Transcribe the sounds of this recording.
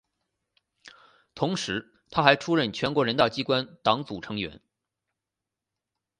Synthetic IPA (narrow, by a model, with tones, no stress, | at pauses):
t̪ʰʊ˧˥ŋʂɻ̩˧˥ | t̪ʰa˥xa˧˥ɪʈ͡ʂʰu˥ɻə˥˩nt͡ɕʰɥɛ˧˥nkwɔ˧˥ɻə˧˥nt̪ɑ˥˩ʊt͡ɕi˥kwa˥nt̪ɑ˧˥ŋt͡su˨˩ʈ͡ʂʰɤ˧˥ŋɥɛ̰˧˥n